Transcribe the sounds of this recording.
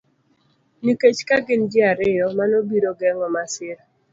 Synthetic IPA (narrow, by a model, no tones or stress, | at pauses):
niket͡ʃkaɡɪnd͡ʒɪaɾɪjɔmanobiɾoɡɛŋɔmasɪɾ